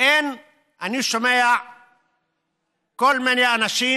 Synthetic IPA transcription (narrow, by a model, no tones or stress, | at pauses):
en | anusomeja | kolmenjanasi